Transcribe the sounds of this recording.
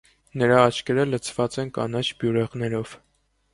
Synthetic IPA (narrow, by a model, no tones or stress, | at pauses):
nəɾɑːt͡ʃʰkɛɾələt͡sʰv̥ɑt͡sɛnkɑnɑt͡ʃʰbjuɾɛʁnɛɾɔv̥